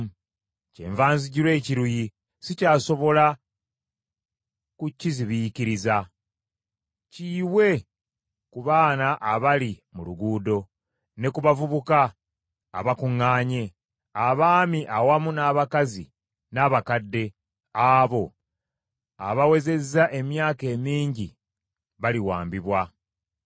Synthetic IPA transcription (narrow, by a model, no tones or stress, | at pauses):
ce̞̰ːɱvaːnziɟiɾwe̞ːciɾuji | sicaːso̞βo̞la | kuciziβiciɾiza | ciːwe̞ | kuβaːnaʔaβali | mṵluɡuːdo̞ | ne̞kuβavuβuka̰ː | βakuŋːaːɲe̞ | aβaːmiʔawamunaːβakazi | naːβakadːe̞ | aːβo̞ | aβawe̞ze̞zːaʔe̞mjaːke̞ːmiːɲɟi | βaliwa̰ːmbiβwa